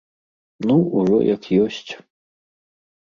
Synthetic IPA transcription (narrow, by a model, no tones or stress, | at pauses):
nuuʐɔ̰jɐkjɔsʲt͡sʲ